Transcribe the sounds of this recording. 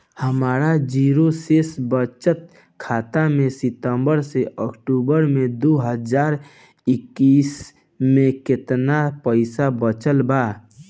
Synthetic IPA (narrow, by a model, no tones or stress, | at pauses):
həmaːɾad͡ʒiːɾosesbət͡ʃət̪̚ | kʰaːt̪amẽsɪt̪əmbəɾseəkʈuːbəɾmẽd̪oɦəd͡ʒaːɾ | ɪkːiːs | mẽkɪt̪napəɪsabət͡ʃəlbaː